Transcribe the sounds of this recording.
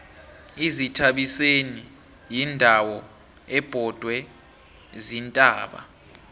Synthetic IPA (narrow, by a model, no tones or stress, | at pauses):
izitʰaɓiseni | jindʱawɔ | ɛb̥ʱɔd̥ʱwɛ | zintʼaːɓa̰